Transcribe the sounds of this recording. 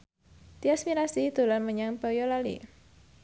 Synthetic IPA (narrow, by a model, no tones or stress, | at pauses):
t̪iasmiɾasid̪̥o̤lanməɲaŋpɔjɔlalḭ